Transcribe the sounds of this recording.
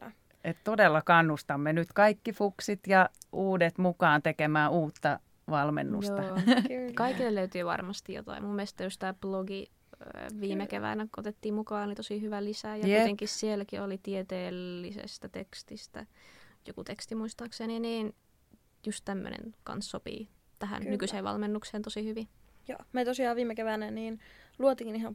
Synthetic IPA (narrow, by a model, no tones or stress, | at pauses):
et̪t̪odelːɑkɑnːust̪ɑmːenyt̪kɑikːifuksit̪jɑuːdet̪mukɑːnt̪ekemæːuːt̪ːɑ | ʋɑlmḛnːṵsot̪ɑkɑikːilːelløyt̪yːʋɑ̰rmɑst̪ijjo̰t̪ɑ̰imumːest̪ːæjost̪æːploɡi | ʋiːmekeʋæ̰næko̰t̪et̪ːiːmmukɑːolit̪osihyʋælisæjɑjit̪eŋkissielkiolit̪iet̪eːlːisḛst̪æt̪ekst̪ist̪æ̰jokut̪ekst̪imuist̪ɑːkseniniːn | just̪t̪æmːø̰nḛnkɑ̰nssopḭː | t̪æhæ̰nnykyseːʋʋɑ̰lmenːukseːnt̪osihyʋijo̰ːmet̪osiɑːʋʋiːmekeʋænæniːnluot̪iŋnihɑ